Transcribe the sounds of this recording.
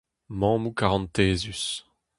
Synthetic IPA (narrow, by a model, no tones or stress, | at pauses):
mɑ̃ːmukaʁɑ̃nt̪eːzys